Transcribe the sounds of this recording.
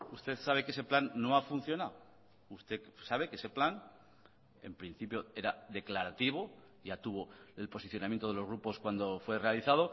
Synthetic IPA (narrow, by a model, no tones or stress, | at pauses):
ust̪e̞θsaβ̞e̞ke̞se̞planːo̞afun̟θjo̞naw | ust̪e̞saβe̞ke̞se̞plan | e̞̰mpɾin̟θipjo̞e̞ɾaðe̞klaɾat̪iβ̞o | jat̪uβo̞elpo̞siθjo̞namjent̪oð̞elozɣ̞ɾupo̞skwand̪o̞fwe̞re̞aliθað̞o̞